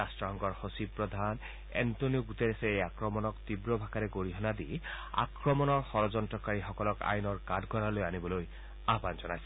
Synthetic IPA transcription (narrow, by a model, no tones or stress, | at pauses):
astɹɔɦɔŋkɔɹhosib̚pɹɔd̪ʱan | ḛntonijuɡut̪eɾeseejakɹɔmɔnɔkt̪ibɹɔbʱakaɾeɡoɹiɦɔnad̪i | a̰kɹɔmɔnɔɹxɔɾɔd͡ʒɔntɹɔkaɹixɔkɔlɔka̰jnɔɹkadʱɡʱɔɾalojanibɔloj | abanzɔnajsɔ